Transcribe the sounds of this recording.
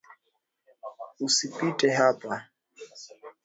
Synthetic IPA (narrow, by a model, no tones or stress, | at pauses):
usipitɛɦapa